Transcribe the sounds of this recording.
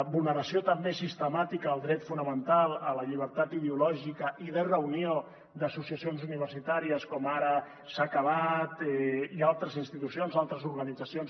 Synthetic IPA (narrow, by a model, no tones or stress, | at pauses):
βulˠnəɾəsiot̪əmbesist̪əmat̪ikəːlˠd̪ɾɛt̪funəmənt̪alˠələʎiβ̞əɾt̪at̪ið̞eulɔʒikəʔiðərəunio | d̪əsusiəsionzuniβ̞əɾsit̪aɾiəskɔmaɾə | sakəβat̪ɛialˠt̪ɾəzinst̪it̪usionzalˠt̪ɾəzuɾɣənid͡zəsions